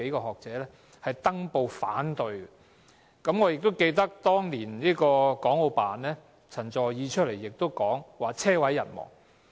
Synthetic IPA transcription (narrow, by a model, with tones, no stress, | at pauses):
e˨˥jkɔː˧˩hɔː˨k̚t͡sɛː˨˥lɛː˥ | hɐ˨jt̪ɐ˥ŋpo˧wfaː˨˥nt̪ɵ˨˧ɥɡɛ˧ | kɐ˨˥mŋɔː˨˧jɪ˨k̚t̪wke˧jt̪ɐ˥k̚t̪ɔː˥ŋliː˨˩nliː˥kɔː˧kɔː˨˥ŋo˨˧wpaː˨nlɛː˥ | t͡sʰɐ˨˩ŋt͡sɔː˨˩jjiː˨˧t͡ʃʰɵ˥t̚le˨˩jːɪ˨k̚t̪o˥wkɔː˨˥ŋwaː˨t͡sʰɛː˥wɐ˨˥jːɐ̰˨˩nmɔ̰ː˨˩ŋ